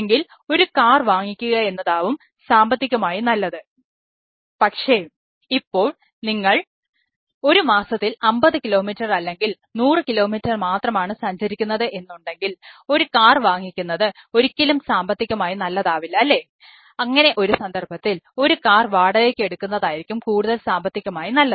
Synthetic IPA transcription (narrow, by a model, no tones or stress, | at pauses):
ŋɡil | o̞ɾukaːrʋaːŋːikʲːuɣɐe̞nːɐðaːʋum | saːmbɐt̪ːikʲːɐmaːjinɐlːɐðɨ | pɐkʂe̞ː | ipːo̞ːɭ | niŋːɐɭ | o̞ɾumaːsɐt̪ːilɐmbɐðɨkilo̞ːmitːɐrɐlːe̞ŋɡil | nuːrɨkilo̞ːmitːɐrmaːt̪rɐmaːɳɨsɐɲd͡ʑɐɾikʲːunːɐðɨʔe̞nːuɳɖe̞ŋɡilo̞ɾukaːrʋaːŋːikʲːunːɐðɨo̞ɾikʲːɐlumsaːmbɐt̪ːikʲːɐmaːjinɐlːɐðaːʋilːɐlːe̞ | ɐŋːɐne̞ʔo̞ɾusɐnd̪ɐrbɐt̪ːilo̞ɾukaːrʋaːɽɐðekʲːe̞ɽukːunːɐðaːjiɾikʲːumkuːɽuðɐlsaːmbɐt̪ːikʲːɐmaːjinɐlːɐðɨ